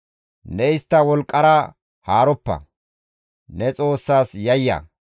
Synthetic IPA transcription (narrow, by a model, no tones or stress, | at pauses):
nɛɪst̪ːɐwɔlkʼːɐɾɐ | haːɾɔpːɐ̰ | nɛt͡sʼo̞ːsːaːsjɐjːɐ̰